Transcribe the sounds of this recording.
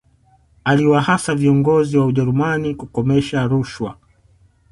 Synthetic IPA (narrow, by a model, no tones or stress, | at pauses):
aliwahasaviɔŋɡɔziwauʄɛɾumanikukɔmɛʃaɾuʃwa̰